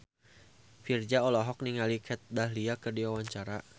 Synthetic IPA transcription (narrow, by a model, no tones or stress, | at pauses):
fird͡ʒaɔlɔɦɔk̚niŋalikʰɛt̪̚daɦliakɨrdiwawaɲt͡ʃaɾa